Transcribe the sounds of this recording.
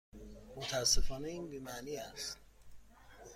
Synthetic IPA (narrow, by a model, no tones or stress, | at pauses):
mot̪ʰæsːefɒːneiːnbiːmæniːæst̪